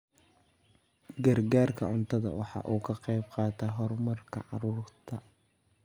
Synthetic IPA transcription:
ɡɐrɡaːrkʰɐʕʊnt̪ʰɐðɐ̰wʔɑ̰ħɑ̰ːʔuːkʰɐqɛjbqɑːt̪ʰɐːɦɔrmɐrkʰɐ̰ʕɑ̰ɾuːrt̪ʰɐ

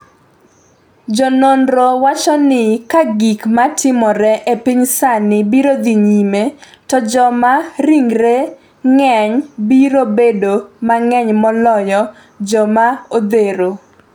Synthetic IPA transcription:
d͡ʒɔnonɾowat͡ʃɔnɪkaɡikmatʰɪmɔɾɛʔepiɲsanɪbiɾod̪iɲimetɔd͡ʒɔmaɾiŋɾe | ŋɛɲbiɾobedomaŋɛɲmɔlɔjɔ | d͡ʒɔmaod̪eɾo

